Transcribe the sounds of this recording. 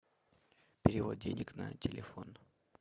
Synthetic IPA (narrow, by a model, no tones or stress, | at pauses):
pʲɪɾʲɪvo̞d̪̚dʲenʲɪknɐtʲɪlʲɪfo̞n